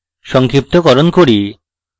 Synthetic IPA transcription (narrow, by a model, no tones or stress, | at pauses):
ʃɔŋkɾip̚t̪okɔɾonkoɾi